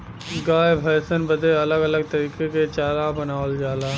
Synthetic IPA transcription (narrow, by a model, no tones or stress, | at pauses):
ɡaːjbʱɐjsənbəd̪ʱeɐləɡɐləɡ̚t̪ɐɾiːkeket͡ʃaːlabənaːld͡ʒaːlaː